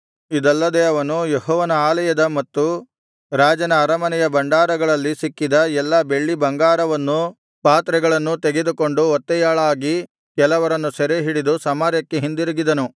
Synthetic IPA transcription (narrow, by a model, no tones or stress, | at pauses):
id̪ɐlːɐd̪eɐʋɐnujeɦɔːʋɐnɐaːlɐjɐd̪ɐmɐt̪ːu | ɾaːd͡ʒɐnɐːɾɐmɐnɛjɐbɐɳɖaːɾɐɡɐɭɐlːisikːid̪ɐɛlːɐbe̞ɭːibɐŋɡaːɾɐʋɐnːu | paːt̪ɾɛɡɐɭɐnːut̪eɡe̞d̪uko̞ɳɖuɔt̪ːɛjaːɭaːɡi | kɛlɐʋɐɾɐnːusɛɾeɦiɽid̪usɐmaːɾjɐkːe̞ɦind̪iɾiɡid̪ɐnu